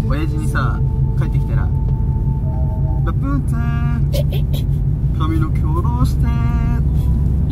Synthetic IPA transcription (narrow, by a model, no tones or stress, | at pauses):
ojaʑiɲ̟isakaet̪ːekʲi̥t̪aɾa̰ | bapːɯ̃t͡se | kʰamʲinokʲʰo̞ːd̪o̞ːɕi̥t̪e